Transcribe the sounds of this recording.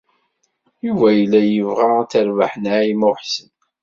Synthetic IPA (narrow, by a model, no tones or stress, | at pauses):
juvæjəlːæjəvʁat͡səɾvaħnaimʊħsən